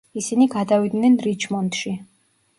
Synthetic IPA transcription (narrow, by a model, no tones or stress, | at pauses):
isiniɡad̪avid̪nɛnɾit͡ʃʰmɔnt̪ʃi